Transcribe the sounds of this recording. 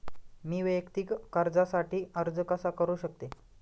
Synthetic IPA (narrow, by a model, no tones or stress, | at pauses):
miːʋəjəkt̪iːkkaɾd͡zasaʈʰiːəɾd͡zəkəsakəɾuːɕək̚t̪e